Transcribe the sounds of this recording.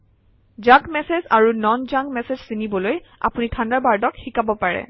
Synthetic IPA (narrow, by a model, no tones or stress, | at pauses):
zaɡmɛsezaɹunɔnd͡ʒaɡmɛsezsinibɔloj | a̰punitʰandaɹbaɹdɔkxikabɔpaɹɛ̰